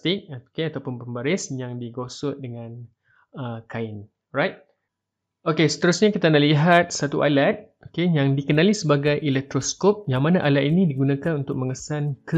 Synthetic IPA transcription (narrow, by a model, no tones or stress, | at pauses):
t̪ɪk̚okeat̪awpʊnpəmbaɾɪsjaŋdiɡosʊt̪̚dəŋãn | əkaɪn | rajt̪̚ | okesə̥t̪əɾusɲakit̪analiɦat̪̚sat̪uʔalat̪̚ | okejaŋdikənãlisəbaɡajʔilɛk̚t̪ɾoskop̚jaŋmãnaʔalat̪̚inĩdiɡunãkanunt̪ʊk̚mə̃ŋəsankə